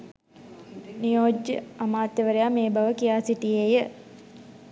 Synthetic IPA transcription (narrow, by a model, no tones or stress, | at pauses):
nijoːd͡ʒjəamaːt̪jəʋəɾejaːmeːbaʋəkijaːsiʈijejə